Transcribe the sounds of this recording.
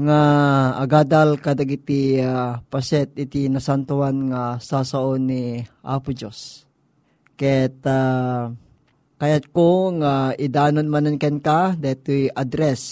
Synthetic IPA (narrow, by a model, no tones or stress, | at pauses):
ŋaɐɡaːd̪alkad̪ɐɡit̪iapasɛt̪̚ɪt̪inɐsant̪ʊanŋasasaʔonːiʔapʊd͡ʒos | kɛt̪a | kajat̪koŋaɪd̪aːnonmanankɛnkad̪aɛt̪ujʔad̪ɾɛs